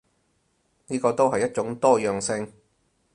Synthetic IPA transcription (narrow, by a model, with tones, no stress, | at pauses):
niː˥kɔː˧t̪o˥wɦɐ˨jːɐ˥t̚t͡ʃʊ˨˥ŋt̪ɔː˥jœː˨˩ŋsɪ˧ŋ